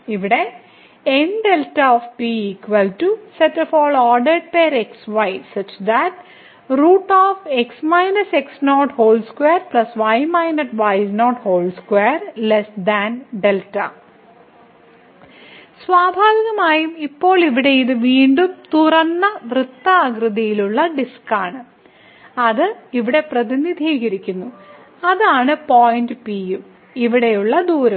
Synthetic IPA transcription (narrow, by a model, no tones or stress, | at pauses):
iʋiɽe | enɖelʈɐɔːfpiiːkʋɐlʈuseʈːɐfɔːɭɔːɾɖɐɖ̚peːɾeksʋɐjsɐt͡ʃd̪æʈ | ɾuːʈːɔːfeksmajnɐseksnoːʈhoːlskweːɾplɐsʋɐjmɐjnɐʈʋɐjznoːʈhoːlskweːɾlesd̪ænɖelʈɐ̰ | sʋaːbʱaːʋiɣɐmaːjumipːo̞ːɭiʋiɽe̞iðɨʋiːɳɖumt̪urɐnːɐʋrɨt̪ːɐaːɡrɨðɐjiluɭːɐɖiskaːɳɨ | ɐðɨiʋiɽe̞prɐðinid̪ʱiːɣɐɾikʲːunːu | ɐðaːɳɨpoːjndɨpijum | iʋiɽe̞juɭːɐd̪uːɾɐ